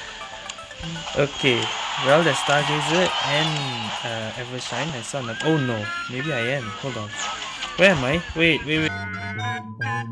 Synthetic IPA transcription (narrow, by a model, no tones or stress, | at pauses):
ʔokʰewɛldɛstaɡezɪt̚ɛ̃nʌɛvɹəsãɪ̃nãsɔnlaɪkonomebiajɛ̃mholdãn | wɛɛ̃majwewewe